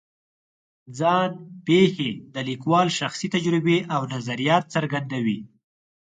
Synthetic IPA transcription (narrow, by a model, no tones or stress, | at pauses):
d͡zɑnpexed̪əlikwɑlʃaxsit̪ad͡ʒɾɪbeʔawnazaɾijɑt̪̚saɾɡand̪awi